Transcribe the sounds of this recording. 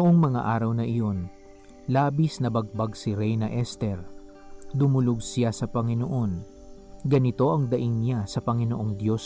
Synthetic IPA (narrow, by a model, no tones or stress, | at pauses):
nʊʔo̞ŋmɐŋa̰ʔaːɾɐwnɐʔɪjo̞n | laːbisnɐbɐɡ̚baɡsɪɾɛjnɐʔɛst̪ɛɾ | d̪ʊmʊloɡsɪjasɐpɐŋɪno̞ʔo̞n | ɡɐnɪt̪o̞ʔɐŋd̪ɐʔiŋnjasɐpɐŋɪnoʔo̞ŋd̪jo̞s